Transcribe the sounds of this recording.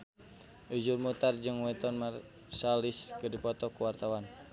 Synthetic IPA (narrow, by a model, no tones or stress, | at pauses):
ʔud͡ʒurmut̪ard͡ʒɨŋwɛt̪ɔnmar | saliskɨdipɔt̪ɔkuwart̪awan